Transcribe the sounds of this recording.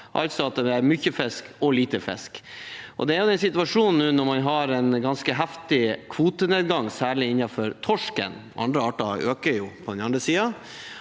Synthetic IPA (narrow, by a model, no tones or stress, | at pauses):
ʔɑ̰lt̪sɔɑt̪̚d̪ɛæɾmyçəfɛskɔliːt̪əfɛ̰skʔɔ̰d̪ɛæɾjʊd̪ɛnsɪt̪ʋɑʂuːnn̩ːʉːnɔɾmɑnɦɑɾɛnɡɑnskəɦæft̪ɪkʰʋuːt̪əneːd̪ɡɑŋsæːɭɪɪnːɑfɔɾt̪ʰɔʂkə̰nʔɑ̰nd̪ɾəɑːʈɑøːkəɾjuːpʰɔd̪ɛnɑnd̪ɾəsiːɑ